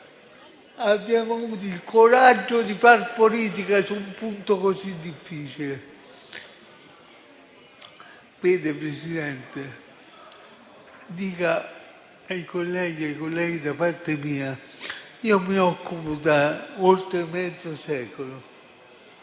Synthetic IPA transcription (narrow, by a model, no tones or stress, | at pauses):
abːjaːmoavuːt̪̬oilkʰoɾad͡ʒːod̪ifarpoliːt̪̬ikasumpunt̪okozid̪ːifːiːt͡ʃile | veːd̪epɾesid̪ɛnt̪e | d̪iːka | aikolːɛːɡiajkolːɛːɡid̪apart̪emiːa | iːomiɔkːupod̪aolt̪ɾemːɛd̪zosɛːkolo